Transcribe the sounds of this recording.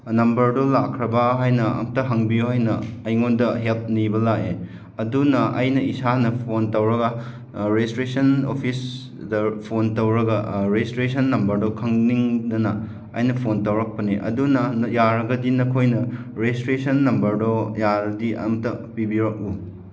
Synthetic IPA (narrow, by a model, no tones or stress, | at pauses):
nɐmbɐɾdolakʰɾɐbɐɦajnɐɐ̰mɐtɐɦɐŋbijuɦajnɐːjŋondɐɦelp̚nibɐlake | ɐdunɐɐjnɐisanɐpʰontɐwɾɐɡɐ | ɾestɾesɐnopʰis | dɐpʰontɐwɾɐɡɐɾestɾesɐnːɐmbɐɾdokʰɐŋniŋdɐnɐː | jnɐpʰontɐwɾɐk̚pɐniʔɐ̰dunɐnjaɾɐɡɐdinɐkʰojnɐ | ɾestɾesɐnːɐmbɐɾdojaɾɐdiɐ̰mɐtɐpibiɾɐk̚u